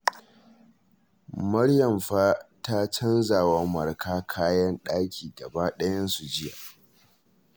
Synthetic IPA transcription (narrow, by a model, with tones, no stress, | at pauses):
mɐ˦ɽjɐ˨mɸaː˦ta˦t͡ʃɐ˦nza˨wa˦mɐ˨rkʰaː˦kʰaː˦jɐ˦nɗaː˦kʲʰiː˨dɐ˨baː˦ɗɐ˦jɐ˦nsu˨d͡ʒɪ˦ja̰˨ʔ